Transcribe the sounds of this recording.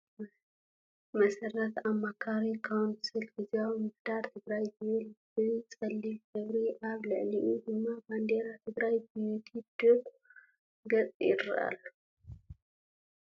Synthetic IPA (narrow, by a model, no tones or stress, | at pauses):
mɐsɐrɐt̪amːakʰaɾikʰawnsɨlɡɨzjawmɨhd̪̥aɾt̪ʰɨɡɾajzɨβɨlb̥ɨt͡sʼɐlːilɡɐβɾiʔaβlɨʕliʔud̪ɨmːaband̪eɾat̪ʰɨɡɾajbɨjut̪ʰid̪̥okʼ | ɡɐt͡sʼɪɾ̰ʔa̰l